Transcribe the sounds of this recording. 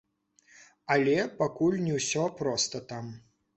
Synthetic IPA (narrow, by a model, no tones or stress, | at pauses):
ɐlʲɛpakulʲnʲɛwsʲɔpɾɔst̪ɐt̪am